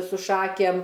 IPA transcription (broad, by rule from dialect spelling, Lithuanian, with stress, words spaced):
sʊ ˈʃɑːkʲeːm